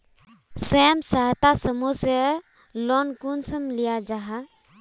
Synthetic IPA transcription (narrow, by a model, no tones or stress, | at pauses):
səjəmsaɦt̪asəmuse | lɔnkunsəmlijad͡ʒaɦa